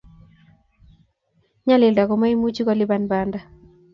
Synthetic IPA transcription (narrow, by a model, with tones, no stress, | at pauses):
ɲa˦lɪ˨lda˨kɔ˨ma˦i˦mu˦t͡ʃi˦kɔ˦lɪ˦ba˦nbanda˦